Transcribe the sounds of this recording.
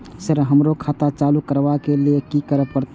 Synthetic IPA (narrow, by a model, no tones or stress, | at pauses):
səɾɦəmɾokʰaːt̪at͡ʃaːlukəɾʋakeliekikəɾəpəɾt̪